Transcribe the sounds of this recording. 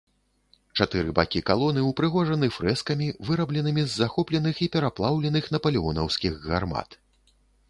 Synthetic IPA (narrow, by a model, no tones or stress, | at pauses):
t͡ʂat̪ɨɾɨba̰kʲikalˠɔnɨupɾɨɣɔʐɐnɨfɾɛskɐmʲivɨɾɐblʲɛnɨmʲizːaxɔplʲɛnɨxipʲɛɾaplˠawlʲɛnɨxnɐpɐlʲiɔnɐwsʲkʲiɣɣa̰rma̰t̪